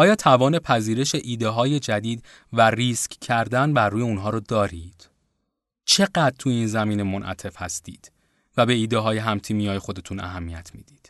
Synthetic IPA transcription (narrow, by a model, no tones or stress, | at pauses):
ʔɒːjɒːt̪ʰævɒːne̞pʰæziːɾe̞ʃe̞ʔiːd̪eɦɒːje̞d͡ʒæd̪iːd̪ | væriːskʰcʰːæɾd̪ænbæɾːuːje̞unɦɒːɾod̪ɒːɾid̪̥ | t͡ʃʰe̞ɢæd̪̚t̪ʰujiːnzæmiːnemonʔæ̰t̪ʰe̞fhæst̪iːd̪̥ | væbe̞iːd̪eɦɒːje̞ɦæmt̪ʰiːmijɒːjexo̞d̪e̞t̪ʰunæ̰ɦæmːijæt̪ʰmḭːd̪̥iːd̪̥